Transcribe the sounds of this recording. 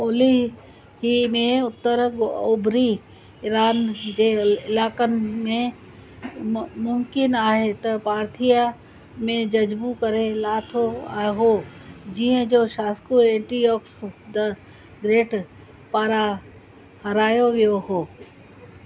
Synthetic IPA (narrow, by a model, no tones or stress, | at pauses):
oːli | ɦimẽʊt̪ːəɾɡobɾi | ɪɾaːnd͡ʒeɪlaːkənmẽ | mʊmkɪnaːɦet̪ɐpaːɾt̪ʰija | mẽd͡ʒɐd͡ʒbukəɾẽlaːt̪ʰoaːɦo | d͡ʒiẽd͡ʒoːʃaːskuẽːʈijɔːksd̪ə | ɡɾeːʈ | paːɾa | hɐɾaːjoʋjoɦoː